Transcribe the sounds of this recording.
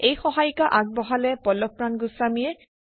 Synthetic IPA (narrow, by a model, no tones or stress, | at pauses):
ejxɔɦajkaʔaɡ̚bɔɦalɛpɔlɔpɹanɡʊsamiɛ